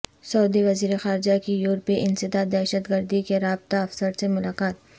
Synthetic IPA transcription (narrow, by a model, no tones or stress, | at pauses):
sɐuːd̪iʋɐziːɾexaːɾd͡ʒakijʊːɾpiʔɪnsɪd̪ad̪ɛːʃət̪ɡəɾd̪ikeɾaːb̚t̪aɐfsəɾsemʊlaːqaːt̪̚